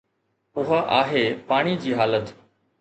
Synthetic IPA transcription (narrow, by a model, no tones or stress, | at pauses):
ʊɦaʔaːɦeːpaːɽ̃id͡ʑiːɦaːlət̪